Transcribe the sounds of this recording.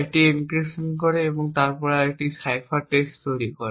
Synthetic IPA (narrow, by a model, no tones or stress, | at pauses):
eʈiinkɹesɔnkɔɹɛebɔŋt̪aɹpɔɹaeʈisajpʰaʈestt̪ojɾikɔɹe